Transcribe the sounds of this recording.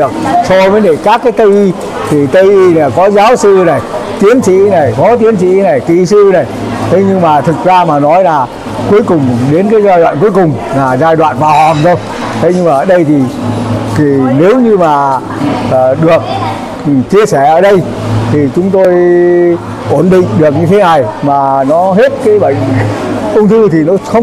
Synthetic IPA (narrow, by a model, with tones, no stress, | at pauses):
ək̚sɔ˧vəː˨˦ɗe˧˩kaː˦˥kːaː˨˦jt̪ə˧jʔi˧ | t̪ʰi˨˩t̪ə˧jʔi˧naː˨˩kɔ˨˦zaː˨˦wsɨ˧na˨˩jt̪i˨˦ənsḭ˧˥na˨˩jkɔ˨˦t̪̬i˨˦ənsḭ˧˥na˨˩jkḭ˧˨sɨ˧na˨˩j | t̪ʰə˨˦jɲɨ˧ŋmaː˨˩t̪ʰɨ˨˩t̚zaː˧maː˨˩nɔ˨˦jlaː˨˩ | ku˨˦əjkʊ˨˩ŋ͡mɗe˨˦nkaː˨˦jzaː˧jɗwa̰ː˧˨nku˨˦jkʊ˨˩ŋ͡m | laː˨˩zaː˧jɗwa̰ː˧˨nvaː˨˩whaː˨˩mzə˧w | t̪ʰe˨˦jɲɨ˧ŋmaː˨˩ʔəː˧˩ɗə˧jt̪ʰi˨˩ki˨˩ne˨˦wɲɨ˧maː˨˩˨ | ɗɨ˨˩ək̚ | t͡ɕi˧əsɛ˧˩ʔəː˧˩ɗə˧j | t̪ʰi˨˩t͡ɕʊ˨˦ŋ͡mt̪o˧j | ʔo˧˩nɗḭ˧˨ŋ̟ɗɨ˨˩ək̚ɲɨ˧t̪ʰe˨˦na˨˩jmaː˨˩nɔ˨˦ɦe˦˥t̚kaː˨˦jɓə̰˧˨ŋ̟ʔʊ˧wŋ͡mt̪ʰɨ˧t̪ʰi˨˩nɔ˨˦xə˧wŋ͡m